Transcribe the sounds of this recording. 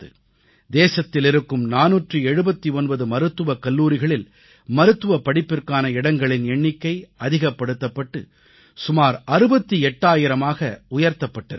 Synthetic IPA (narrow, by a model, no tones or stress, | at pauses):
ɯ | d̪eːsɐt̪ːɪlɪɾɯkːɯmnaːnuːʈrɯɛɻɯbɐt̪ːiɔnbɐðɯmɐɾɯt̪ːɯʋɐkɐlːuːɾɪɣɐɭɪl | mɐɾɯt̪ːɯʋɐpːɐɽɪpːɪrkaːnɐɪɽɐŋɡɐɭɪnɛɳːɪkːɐɪɐðɪɣɐpːɐɽɯt̪ːɐpːɐʈːɯ | sʊmaːɾʔɐɾɯbɐt̪ːiɛʈːaːjɪɾɐmaːɣɐʊjɐɾt̪ɐpːɐʈːɐɾ